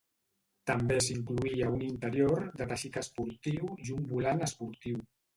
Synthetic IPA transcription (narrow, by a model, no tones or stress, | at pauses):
t̪əmbesiŋkluiəunint̪əɾjoɾd̪ət̪aʃit̪əspuɾt̪iwjumbulanəspuɾt̪iw